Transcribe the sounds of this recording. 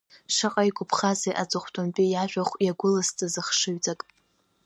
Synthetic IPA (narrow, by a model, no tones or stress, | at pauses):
ʂaqʼajɡʷʊpʰχazejʔat͡sʼɨχʷtʰʼomt͡pʼijaʒᶣaχʷjaɡʷʊlɨstʼɨzɨχʂɨɥt͡sʼakʼ